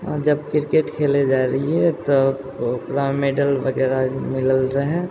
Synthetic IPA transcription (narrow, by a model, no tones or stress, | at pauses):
d͡ʒəbkɪɾkeʈkʰeled͡ʒaɾɐɦiɦɛt̪o | pɾameɖəlʋəɡɛːɾamɪləlɾəɦɛ̃